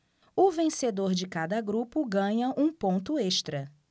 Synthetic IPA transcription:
ʊvẽsed̪oɾd͡ʒɪkad̪ɐɡɾupʊɡɐ̃ɲɐʔũpõnt̪ʊeʃt̪ɾɐ

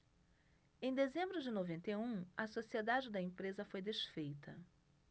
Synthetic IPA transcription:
ẽj̃d̪ezẽmbɾʊd͡ʒɪnovẽnt̪eũɐsosied̪ad͡ʒɪd̪ɐẽpɾezɐfojd̪eʃfejt̪ʰɐ

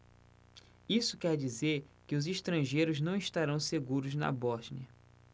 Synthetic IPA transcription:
isʊkɛɾd͡ʒizeɾkɪʊziʃt̪ɾɐ̃ʒejɾʊznɐ̃w̃iʃt̪aɾɐ̃w̃seɡuɾʊznɐ̰bɔʒniɐ

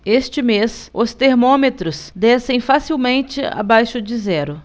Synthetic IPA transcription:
est͡ʃɪmesʊst̪eɾmõmet̪ɾʊsd̪ɛsẽj̃fasiwmẽnt͡ʃɪa̰bajʃʊd͡ʒɪzɛɾʊ

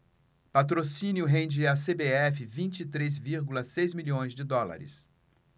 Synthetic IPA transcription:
pat̪ɾosĩnjʊɦẽnd͡ʒɪasebeɛfɪvĩnt͡ʃit̪ɾezviɾɡulɐsejzmiʎʲõj̃zd͡ʒɪd̪ɔla̰ɾɪ̰s

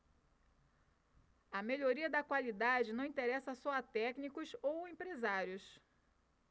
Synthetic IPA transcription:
ɐmeʎoɾiɐd̪ɐkwalid̪ad͡ʒɪnɐ̃w̃ĩnt̪eɾɛsɐsɔɐt̪ɛknikʊsowẽmpɾezaɾjʊs

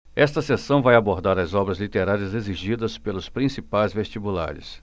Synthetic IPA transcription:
ɛst̪ɐsesɐ̃w̃vajaboɾd̪aɾɐzɔbɾɐzlit̪eɾaɾiɐzeziʒid̪ɐspelʊspɾĩsipajzvest͡ʃibula̰ɾɪ̰s

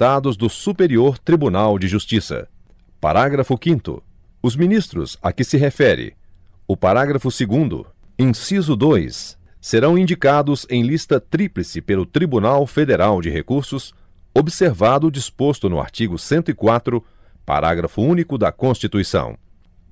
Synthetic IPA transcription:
t̪ad̪ʊzd̪ʊsupeɾioɾt̪ɾibunawd͡ʒɪʒust͡ʃisɐ̰ | pa̰ɾaɡɾɐfʊkĩnt̪ʊ̰ | ʊzmĩnist̪ɾʊ̰sa̰kɪsɪɦefɛɾɪ̰ | ʊpaɾaɡɾɐfʊsɪɡũnd̪ʊ̰ĩsizʊd̪ojsː | eɾɐ̃w̃ĩnd͡ʒikad̪ʊzẽj̃list̪ɐt̪ɾiplɪsɪpelʊt̪ɾibunawfed̪eɾawd͡ʒɪhekuɾsʊs | obɪseɾvad̪ʊd͡ʒispost̪ʊnʊ̰a̰ɾt͡ʃiɡʊsẽnt̪ʊikwat̪ɾʊ | pa̰ɾʔa̰ɡɾɐfʊũnikʊd̪ɐkõst͡ʃit̪uisɐ̰̃w̃

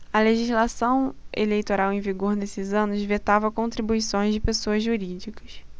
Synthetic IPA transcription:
ɐleʒizlasɐ̃w̃ḛlejt̪oɾawẽj̃viɡoɾnesɪzɐ̃nʊzvet̪avɐkõnt̪ɾibuisõj̃zd͡ʒɪpesoɐzʒuɾid͡ʒikɐ̥s

